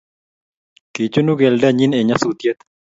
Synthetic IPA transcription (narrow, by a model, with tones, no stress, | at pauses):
ki˨t͡ʃu˦nu˦ɡɛ˨lda˦ɲi˦ne˨ɲa˦su˨t̪je˦t̪